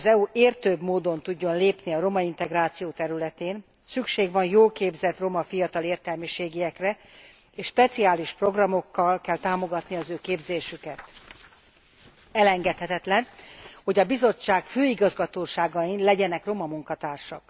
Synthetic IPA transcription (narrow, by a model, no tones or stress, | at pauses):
zɛuʔeːrt̪øːbmoːd̪o̞nt̪uɟːo̞nleːpniɒɾo̞mɒint̪ɛɡraːt̪sijoːt̪ɛɾylɛt̪eːn | sykʃeːɡʋɒnjoːlkeːbzɛt̪ro̞mɒfijɒt̪ɒleːrt̪ɛlmiʃeːɡiɛkrɛ | eːʃʃpɛt̪siaːliʃpro̞ɡrɒmo̞kːɒlkɛlt̪aːmo̞ɡɒt̪niɒzøːkeːbzeːʃykɛt̪ | ɛlɛŋɡɛt̪hɛt̪ɛt̪lɛnho̞ɟɒbizo̞t͡ʃːaːkføːiɡɒzɡɒt̪oːʃaːɡɒinlɛɟɛnɛkro̞mɒmuŋkɒt̪aːrʃɒk